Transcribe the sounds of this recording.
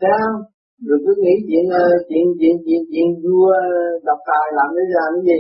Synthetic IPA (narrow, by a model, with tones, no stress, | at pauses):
ta˨˦ə˧wŋ͡m | ɗɨ˨˩əkkːɨ˨˦ŋḭ˧˥t͡ɕwḭ˧˨ənʔəː˨˧t͡ɕwḭ˧˨ənt͡ɕḭ˧˨ənt͡ɕwḭ˧˨ənt͡ɕwḭ˧˨ənzu˧əə˧ɗa˨˩wk͡p̚t̪aː˨˩jlaː˨˩mɗə˨˦zaː˨˩nə˨˦zi˨˩